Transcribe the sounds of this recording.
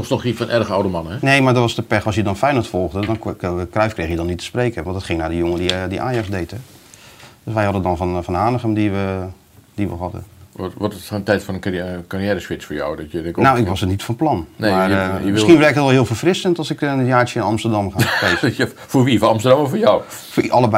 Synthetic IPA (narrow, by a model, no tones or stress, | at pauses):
ɔsnɔxifɔnʔɛrɣəawdəmɑnəɛnejmaɹdɔʋɑstəpɛxɔsjədɔnfɛjnəlˠtfɔlˠɣdədɔnəkrɛɥfkreːxəjədɔnːitʰə̥spreːkəʋɔɑntdətχɪŋnaːdəjʊŋəndidiʔaːjɑkzdejtə | d̥øsʋɛjɦɑdədɔnfnfɔnɦaːnəχəmdiʋə | d̥iʋə̰ɦɑdə̰ʋɔtntɛjtfɔnəkariɛːɾəsʋɪt͡sfoːɹjɔ̰wdɔtjəɪnawɪkʋɔsənitfɔnplɑnnemaəsinʋɛrkətʋɛlˠɦɪəlˠfərfrɪsəntɑlˠsɪkənjaːt͡ʃjəɪnɑmstərdɑmχae | foːɹʋifɑmstərdɑmɔfoːjaw | fʔɑlˠəb